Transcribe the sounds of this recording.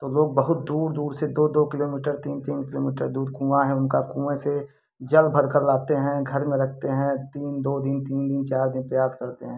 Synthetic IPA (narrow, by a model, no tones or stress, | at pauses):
tt̪oloːɡ̚bɐɦʊt̪̚d̪uːɾd̪uːɾsed̪oːd̪oːkɪloːmiːʈəɾt̪iːnkt̪iːnkɪloːmiːʈəɾd̪uːɾkũːaɦɛ̃ʊnkakuːmẽse | d͡ʒɐlbʱəɾkəɾlaːt̪eɦɛ̃ɡʱɐɾmẽɾɐkʰt̪eɦɛ̃t̪iːnd̪oːd̪ɪnt̪iːnd̪ɪnt͡ʃaːɾd̪ɪnpɾɐjaːskɐɾt̪eɦɛ̃ː